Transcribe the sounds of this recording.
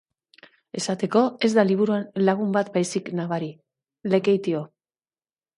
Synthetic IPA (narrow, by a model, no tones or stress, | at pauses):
e̞sat̪e̞ko̞e̞zd̪aliβ̞uɾuenlaɣ̞umbat̪bajsiknaβaɾi | le̞ke̞jt̪io̞